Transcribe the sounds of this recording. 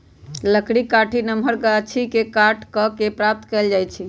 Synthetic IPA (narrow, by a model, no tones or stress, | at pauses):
ləkɽikaʈʰinəmʱəɾkəət͡ʃʰikekaʈkəkepɾap̚t̪kɛld͡ʒajt͡ʃʰi